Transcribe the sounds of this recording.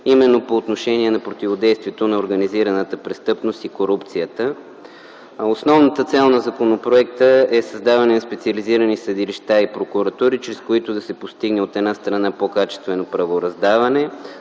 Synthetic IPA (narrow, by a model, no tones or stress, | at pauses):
imɛnːopoːt̪noʃɛniɛnɐpɾot̪ivod̪ɛjst̪viɛt̪onɐoɾɡəniziɾɐnət̪əpɾɛst̪ɤpnost̪ikoɾupt̪sijət̪ə | osnɔvnət̪ət̪sɛlˠnɐzɐkonopɾoɛkt̪əɛsɐzd̪avɐnɛnɐspɛt̪siəliziɾənisəd̪iliʃt̪aipɾokuɾɐt̪uɾit͡ʃɾɛskoit̪ʊd̪ɐsɛpost̪iɡnɛot̪ɛd̪nast̪ɾɐnapokat͡ʃɛ̥st̪vɛnopɾɐvoɾɐzd̪avɐnɛ